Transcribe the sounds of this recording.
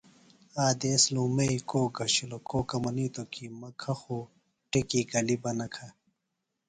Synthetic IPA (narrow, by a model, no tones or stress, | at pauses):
aːd̪esluːmeikoːɡɐɕilokoːkɐmɐniːt̪okimɐkʰɐxo | ʈekiːɡɐlibɐnɐkʰɐ